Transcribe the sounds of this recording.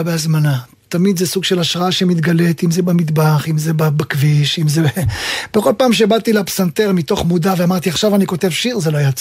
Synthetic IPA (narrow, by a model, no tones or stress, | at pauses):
beazmana | t̪amid̪zesuɡʃe̞laʃʁaaʃemit̪ɡale̞t̪imzebamid̪baχimzebabakviʃimzeb̥eχo̞lpaːmʃebat̪ilepsant̪eʁmit̪o̞χmudaveamaʁt̪iaχʃavanikot̪e̞vʃiʁzeloajat͡s